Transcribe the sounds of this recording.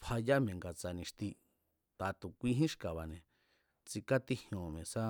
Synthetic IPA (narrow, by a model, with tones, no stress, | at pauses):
pʰha˧ja˦mẽ˨ŋɡa˧t͡sa˧nĩ˧ʂt̪i˧ | t̪a˨˧t̪u˨kʷi˦ɦĩ˦ʃka˨βa˨nẽ˨ | t͡si˧ka˦t̪i˧hj̃õ˨mẽ˨sa˦